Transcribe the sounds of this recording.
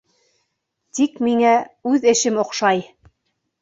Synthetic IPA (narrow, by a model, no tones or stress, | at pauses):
t̪ikmiŋæʉðɘ̆ʃɘmŏqʃɑj